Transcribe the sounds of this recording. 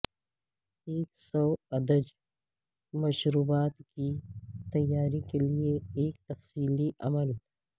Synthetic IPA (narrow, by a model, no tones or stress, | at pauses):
eːksɔwɐd̪əd͡ʒ | mɐʃɾuːbaːt̪kit̪ɐjːaːɾikelieeːk̚t̪ɐfsiːliʔɐ̰məl